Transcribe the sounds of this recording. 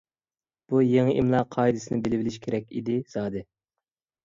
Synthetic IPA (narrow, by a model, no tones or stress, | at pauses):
b̥ujeŋɪʔimlˠɑqʰɑːjd̪ɪsɨnɪbɪlɪvɪlɪʃkʲʰeɾɛkʲḭd̪ɪzɑːd̪ɨ